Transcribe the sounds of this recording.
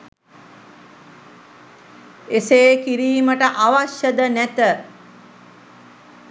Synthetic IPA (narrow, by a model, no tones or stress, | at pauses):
eseːkiɾiːməʈəʔaʋaʃjəd̪ənæt̪ə